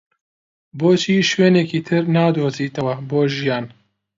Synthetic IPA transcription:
boːt͡ʃʰiːʃweːneːkiːt̪ʰɨɾnaːd̪oːziːt̪ɐwɐboːʒijaːn

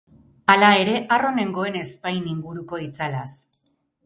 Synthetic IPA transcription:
alae̞ɾe̞ʔaro̞ne̞ŋɡo̞e̞ne̞spajniŋɡuɾuko̞it͡salas

